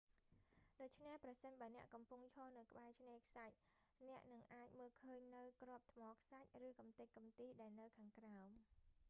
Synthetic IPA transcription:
ɗoːc̚t͡ɕʰnehprɑsənɓaənɛ̆əʔkɑmpuŋt͡ɕʰɔːnɨwkə̆ɓaɛt͡ɕʰneːkʰsac̚nɛ̆əʔnɨŋʔaːc̚məːlkʰəːɲnɨwkrŏəp̚t̪ʰmɑːkʰsac̚rɨːkɑmt̪ɨc̚kːɑmt̪iːɗaɛlnɨwkʰaːŋkraɔm

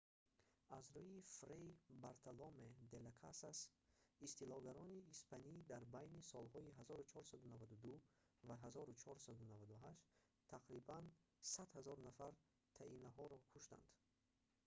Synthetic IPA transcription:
azɾujifɾejbaɾt̪ʰalomed̪elakʰasasist̪ilɔɡaɾɔniːspʰanid̪aɾbajnisɔlhɔiɦazɔɾut͡ʃʰɔɾsad̪unavad̪ud̪u | vaɦazɔɾut͡ʃʰɔɾsad̪unavad̪uɦaʃt | t̪ʰːaqɾiban | sad̪hazɔɾnafaɾ | t̪ʰainaɦɔɾɔkʰuʃt̪a̰nd̪̥

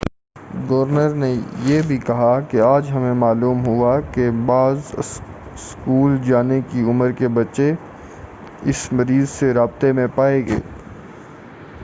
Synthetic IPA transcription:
ɡoːɾnəɾnejeːbʱikɐɦakeaːd͡ʒɦɐmẽmaːluːmɦʊakebaːz | skuːld͡ʒaːnekiʊməɾkebɐtːʃe | ɪsmɐɾiːzseɾaːb̚t̪emẽpaːeɡḛː

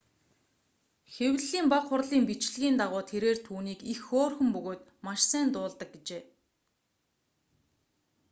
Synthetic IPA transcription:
xewɮiːmpakχʊrɮiːmpit͡ɕɮ̆ɣʲiːnt̪aʁʊːt̪ʰeɾeːrt̪ʰuːniːkixoːrxɵ̆mpɵɣoːt̪maʃsæːnt̪ʊːɮt̪ə̆k̚ɡet͡ɕeː

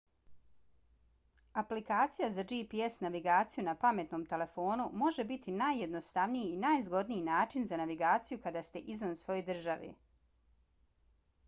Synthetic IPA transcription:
aplikaːt̪sijazad͡ʒipiesnaʋiɡaːt̪sijunapame̞t̪no̞ːmt̪e̞le̞fo̞ːnumo̞ʒe̞bit̪inajːe̞d̪no̞st̪aʋnijiːnajzɡo̞d̪nijinaːt͡ʃinzanaʋiɡaːt̪sijukad̪aːst̪e̞ʔizʋansʋo̞jojd̪r̩ʒaʋḛ

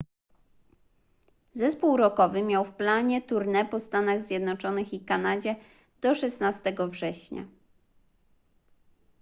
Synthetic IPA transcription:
zɛspuwɾɔkɔvɘmʲjawfplaɲɛt̪uɾnɛpɔst̪anaɣzʲjɛd̪nɔt͡ʂɔnɘxikanad͡ʑɛ | d̪̥ɔʂɛsnast̪ɛɡɔvʐɛɕɲa̰

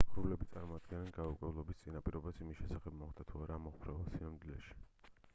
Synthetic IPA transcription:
ɾulɛbit̪sʼaɾmɔad̪̚ɡɛnɛnɡaukʼwɛvlˠɔbist̪sʼinapʼiɾɔbasimisʃɛsaχɛbmɔχd̪at̪ʰuaɾamɔχpʰɾɛvɛlˠsinamd̪ilɛʃi̥

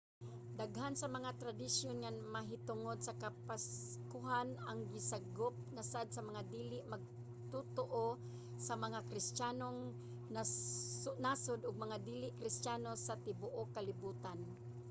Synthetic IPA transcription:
d̪aɡɦansɐmɐŋat̪ɾad̪ɪsjonŋanmɐɦɪt̪ʊŋod̪̚sakapaskʊɦanaŋɡɪsaɡop̚nasad̪̚samɐŋad̪iːlɪʔmɐɡ̚ | t̪ut̪oʔo | samɐŋakɾɪstaːnoŋ | na | naːsʊd̪ʊɡ̚mɐŋad̪iːlɪʔkɾɪst̪jaːnosat̪ɪbʊʔokːalɪbuːt̪an

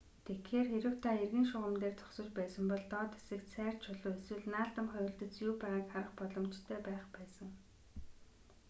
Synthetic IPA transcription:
t̪ʰekxeːrxeɾɘ̆w̥t̪ʰaerɣĭːŋʃʊʁə̆mt̪eːrt͡sʰɔ̥χsɞ̆t͡ɕpæːsə̆mpɔɮt̪ɔːt̪e̥sɘ̆ksʰæːr̥t͡ɕʰʊɮʊːeswɘ̆ɮnaːɮt̪ə̆mχœjʲɪ̆ɮt̪ɘ̆t͡sjuːpaʁaːkχaɾə̆χpɔɮɞ̆mt͡ɕt̪ʰœːpæːχpæːsə̆ŋ

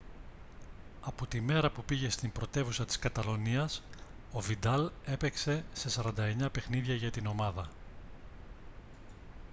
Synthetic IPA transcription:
ɐpo̞t̪ime̞ɾɐpupiʝe̞st̪imbɾo̞t̪e̞vusɐt̪i̥skɐt̪ɐlo̞niɐs | o̞vid̪ɐle̞pe̞kse̞se̞sɐɾɐnd̪ɐe̞ɲɐpe̞xniðʝɐʝɐt̪ino̞mɐðɐ

